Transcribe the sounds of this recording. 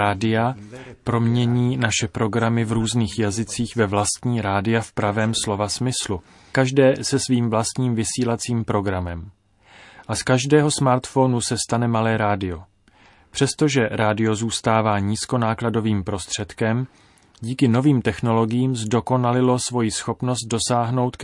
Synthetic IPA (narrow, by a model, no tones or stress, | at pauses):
aːdɪapɾo̞mɲɛɲiːnaʃɛpɾo̞ɡɾamɪvɾuːzniːxjazɪt͡siːxvɛvlast̪ɲiːɾaːdɪafpɾavɛːmslo̞vasmɪslu | kaʒdɛːsɛsviːmvlast̪ɲiːmvɪsiːlat͡siːmpɾo̞ɡɾamɛm | ʔaskaʒdɛːɦo̞smaɾt̪fo̞nusɛst̪anɛmalɛːɾaːdɪo̞ | pr̝̥ɛst̪o̞ʒɛɾaːdɪo̞zuːst̪aːvaːɲiːsko̞naːklado̞viːmpɾo̞st̪r̝̥ɛt̪kɛm | ɟiːkɪno̞viːmt̪ɛxno̞lo̞ɡɪjiːmzdo̞ko̞nalɪlo̞svo̞jɪsxo̞pno̞st̪̚do̞saːɦno̞wt̪k